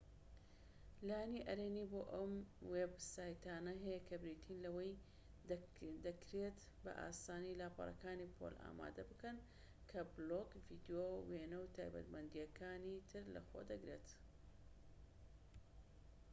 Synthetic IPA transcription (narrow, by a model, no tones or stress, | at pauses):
lajniʔɐɾeːniboːʔɐmwebsaːjt̪aːnɐɦɐjɐkʰɐbɾiːt̪ʰinlɐwɐj | d̪ɐkɾet̪ | bɐ̰ʔa̰ːsaːnilaːpʰɑ̰rˤɐ̰kaːnipʰo̰la̰ːma̰ːd̪ɐbɨkɐn | kʰɐbloɡvid̪joweːnɐwt̪ʰaːjbɐ̰t̪mɐnd̪ijɐkʰaːnit̪ʰɨɾlɐ̰xo̰ːd̪ɐɡɾe̞̰t̪